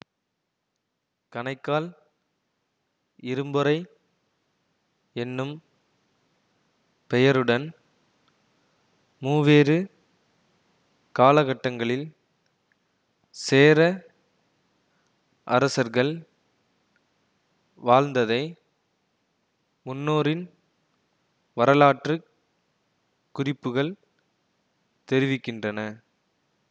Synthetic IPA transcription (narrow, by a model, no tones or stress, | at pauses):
kɐɳɐɪkːaːl | ɪɾɯmbɯɾɐɪ | ɛnːɯm | pɛjɐɾɯɽɐn | muːʋeːɾɯ | kaːlɐɣɐʈːɐŋɡɐɭɪl | seːɾɐ | ʔɐɾɐsɐɾɣɐɭ | ʋaːɻnd̪ɐðɐɪ | mʊnːoːɾɪn | ʋɐɾɐlaːʈrɯ | kːʊrɪpːɯɣɐɭ | t̪ɛɾɪʋɪkːɪndrɐnɐ